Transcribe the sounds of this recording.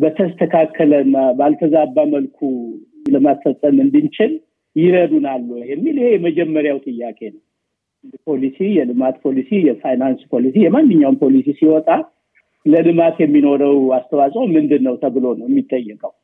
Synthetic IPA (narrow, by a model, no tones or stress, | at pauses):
bət̪ʰəst̪ʰəkʰakʰːələɨnːabalt̪ʰəzabːaməlkʰuləmasfəsʼːəmɨnd̪ɨnt͡ʃʰɪl | jɪɾəd̪unalːujɛmːilihe̞jɛməd͡ʒɛmːəɾjawt̪ʼɨjːakʼe̞nəw | pʰo̞lisijɛlɨmat̪pʰo̞lisijɛfajnanspʰo̞lis̬ijɛmanːɨɲːawnpʰolisisiwɔt̪ʼa | ləlɨmat̪jɛmːino̞ɾəwast̪ʰəwasʼwomɨnd̪ɨnːəwt̪ʰəβɨlo̞nəwjɛmːit̪ʼːəjːɛkʼəw